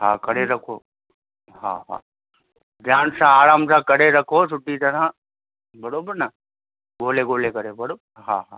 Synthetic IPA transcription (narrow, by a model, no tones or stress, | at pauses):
ɦa̰ːkɐɾeɾɐkʰoː | ɦa̰ːɦa̰ː | d͡ʒaːnsãaːɾaːmsãːkɐɾeɾɐkʰosʊʈːit̪ɐɾã | bɐɽobɪnɐ | ɠoːleɡoːlekɐɾebɐɽo | ɦa̰ːɦa̰ː